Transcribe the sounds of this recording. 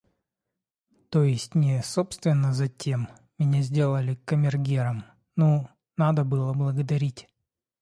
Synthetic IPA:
t̪ojɪsʲtʲnʲɪsopst̪vʲɪnːəzɐtʲʰe̞m | mʲɪnʲazʲdʲe̞lˠəlʲɪkəmʲɪrɡʲeɾəm | no | nad̪əbɨlˠəblˠəɡəd̪ɐɾʲitʲ

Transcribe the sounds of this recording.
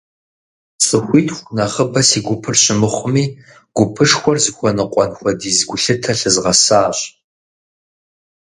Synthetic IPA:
t͡sʼɨxʷiːtʰxʷnɐʁəbɐsiːɡʷʊpʰɨrɕɪmɨχʷʊmiː | ɡ̥ʷʊpʰɨʂxʷɔrzɨxʷɔnɨqʷʼɔnxʷɔdiːzɡʷʊɬɨtʰɐɬɨzʁɐsaːɕʼ

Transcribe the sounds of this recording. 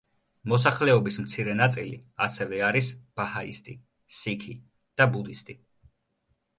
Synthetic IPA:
mɔsaχlɛɔbismt̪sʰiɾɛnat̪sʼilḭasɛvɛaɾisb̥ahaḭst̪ʼi | sikʰi | d̪̥abud̪ist̪ʼi

